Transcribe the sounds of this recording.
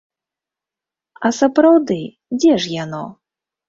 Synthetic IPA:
ɐsɐpɾawd̪ɨ | d͡zʲɛʂjanɔ

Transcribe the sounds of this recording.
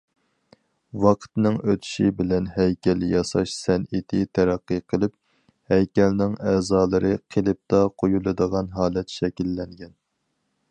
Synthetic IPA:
wɑqʰt̪nɨŋøt̪ʰy̥ʃibɪlɛnɦɛjkʲɛljɑsɑʃsɛnɪt̪ʰɪt̪ʰɛɾæqːəqʰəlˠɨp̚ | hɛjkʲɛlnɪŋɛːzɑːlˠɨɾɨqʰelˠɨp̚t̪ɑqʰojulˠɨd̪əʁɑnɦɑːlˠɛt̪ʃɛkʲilːɛŋɡʲɛn

